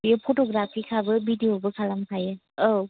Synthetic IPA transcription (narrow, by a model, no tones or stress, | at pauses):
ijɔpʰoʈoɡɾapʰkikʰabɯbʱidijobɯkʰalampʰajɯ | ow